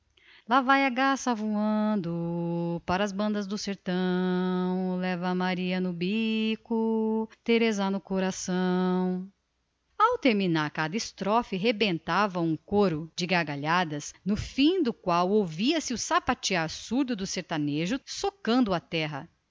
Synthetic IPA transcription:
lavajaɡasavuɐ̃nd̪ʊpaɾɐːzbɐ̃nd̪ɐzd̪ʊseɾt̪ɐ̃w̃lɛvɐmaɾiɐnʊbikʊt̪eɾezanʊkoɾasɐ̃w̃ | awt̪eɾminaɾkad̪ɐɪst̪ɾɔfɪɦebẽnt̪avɐũkoɾʊd͡ʒɪɡaɾɡaʎad̪ɐsnʊfĩd̪ʊkwawowviɐsɪʊsapat͡ʃiaɾsuɾd̪ʊd̪ʊseɾt̪aneʒʊsokɐ̃nd̪ʊɐt̪ɛɦɐ̰

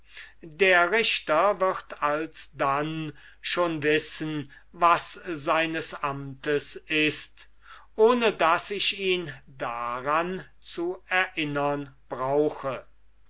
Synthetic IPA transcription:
deːɐʁɪʃtɐvɪʁtʰalsdan | ʃoːnvɪsən | vaszaɪnəsʔamtəsɪst | ʔoːnədasɪʃiːndaʁan | t͡suɛɐʔɪnɐnb̥ʁaʊxə

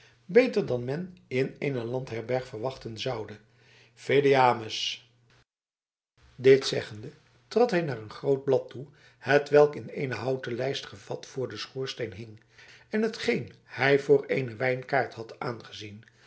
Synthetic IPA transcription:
bejtəɹdɑnmɛnɪnejnəlɑntɦɛɹbɛɹχfəɹʋɑχtənzɑwdə | fedeaːməs | dɪtsɛχəndə | trɑtɦɛjnaːrənχrowd̚blɑtʰu | hətʋɛlˠkɪnejnəɦɑwtəlɛjstχəvɑtfʊːɹdəsχuːɹstejnɦɪŋ | ɛnɦətχejnhɛjvʊːɹejnəʋɛjnkaːɹthɑtʔaːnχəzin

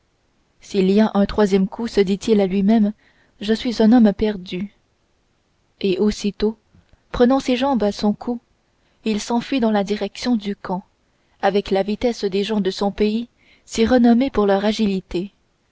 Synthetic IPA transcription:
siliaʔɛ̃t̪χwazjɛmkʰusəd̪it̪ilalɥimɛm | ʒəsɥizɛ̃nɔmpɛʁd̪y | eʔosit̪o | pχənɑ̃seʒɑ̃basɔ̃kʰu | ilsɑ̃fɥid̪ɑ̃lad̪iʁɛksjɔ̃d̪ykɑ̃ | avɛklavit̪ɛsd̪eʒɑ̃d̪əsɔ̃pei | siʁənɔmepuʁlœʁaʒilit̪e

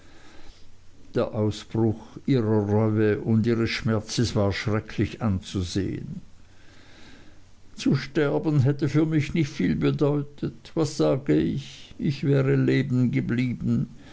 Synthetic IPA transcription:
d̥eːɐʔaʊsb̥ʁʊxʔiːʁɐʁœʏəʔʊndʔiːʁəsʃmɛɐt͡səsv̥aːɐʃʁ̥ɛkʰlɪçʔant͡suzḛːə̰n | t͡suʃtɛɐbn̩ɦɛtəfyːɐmɪçnɪçtfiːlbədɔʏtʰətv̥asz̥aːɡəɪçʔɪçv̥ɛːʁəleːbn̩ɡəbliːbn̩

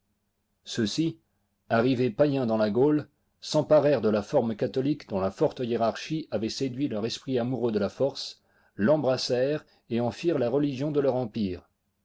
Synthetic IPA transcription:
səsi | aʁivepajɛ̃d̪ɑ̃laɡol | sɑ̃paʁɛʁd̪əlafɔʁmkat̪ɔlikd̪ɔ̃lafɔʁt̪əjeʁaʁʃiavɛsed̪ɥilœʁɛspχiamuʁød̪əlafɔʁs | lɑ̃bʁasɛʁ | eɑ̃fiʁlaʁəliʒjɔ̃d̪əlœʁɑ̃piːʁ

